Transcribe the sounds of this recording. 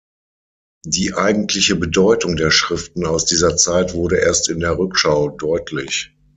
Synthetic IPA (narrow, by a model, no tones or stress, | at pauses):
d̥iːʔaɪɡŋ̩tʰlɪçəbədɔʏtʊŋdeːɐʃʁ̥ɪftn̩aʊsd̥iːzɐt͡saɪtv̥ʊɐɾəʔeːɐstɪndeːɐʁʏkʃaʊdɔʏtʰlɪç